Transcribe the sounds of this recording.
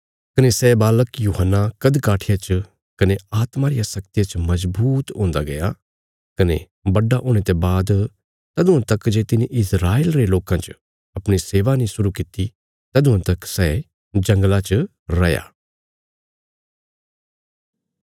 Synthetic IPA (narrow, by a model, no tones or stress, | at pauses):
kɐnesɛːbaːləkjuːɦənːakɐd̪kaːʈʰɪjat͡ʃ | kɐneaːt̪maɾɪjasɐkt̪ijat͡ʃmɐzbuːt̪ɦõːnd̪aɡɐja | kɐnḛ | bɐɖaʔoːɽ̃et̪ebaːd̪ | t̪ɐd̪ʊ̃ãt̪ɐkd͡ʒeːt̪ɪneʔɪsɾaːeːlɾeloːkãt͡ʃ | ɐpɽ̃iseːʋanĩsʊɾukɪt̪i | t̪ɐd̪ʊ̃ãt̪ɐksɛː | d͡ʒɐ̃ŋɡlat͡ʃ | ɾɐja̰ː